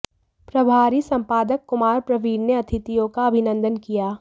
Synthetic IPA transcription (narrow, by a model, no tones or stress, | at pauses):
pɾɐbʱaːɾisɐ̃mpaːd̪əkːʊmaːɾpɾɐʋiːɾneɐt̪ʰɪt̪ijõkaɐbʱɪnə̃nd̪ənkijaː